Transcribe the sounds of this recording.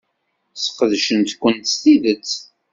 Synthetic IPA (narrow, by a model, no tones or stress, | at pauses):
sə̥qəðʃənt̪kʷːənt̪st̪iðət͡st͡sː